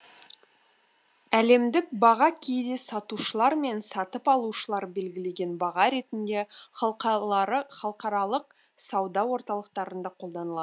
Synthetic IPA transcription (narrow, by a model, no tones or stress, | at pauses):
æle̞md̪ɪk̚bɑʁɑkʲʰejd̪e̞sɑt̪uʃəlˠɑɾme̞nsɑt̪əpɑlˠuʃəlˠɑɾbe̞lɡʲɪle̞ɡʲe̞nbɑʁɑɾe̞t̪ɪnd̪e̞ | χɑlˠqɑɾɑlˠəq̚ | sɑwd̪ɑwo̞ɾt̪ɑlˠəq̚t̪ɑɾənd̪ɑqʰo̞lˠd̪ɑnəlˠɑə